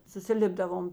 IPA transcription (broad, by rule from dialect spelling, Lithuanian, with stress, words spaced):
sʊsʲɪˈlʲɪbdɐʋoːm